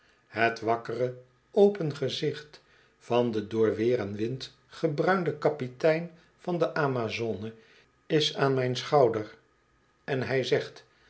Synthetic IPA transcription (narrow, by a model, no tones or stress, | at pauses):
ɦətʋɑkərə | owpənχəzɪχt | fɑndədʊːɹʋɪːrənʋɪnt | χəbrœɥndəkɑpitɛjn | vɑndəʔaːmazonə | ɪsaːnmɛjnsχɑwdər | ɛnɦɛjzɛχt